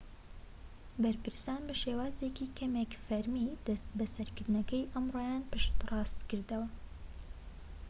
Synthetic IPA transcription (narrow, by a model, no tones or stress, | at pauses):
bɐɾpɨɾsaːnbɐʃeːwɑːzekikʰɐmekfɐɾmid̪ɐst̪̚bɐsɐɾkɨɾd̪nɐkɛjʔɐmroːjaːnpɨʃt̪rɑːst̪kɨɾd̪ɐwɐ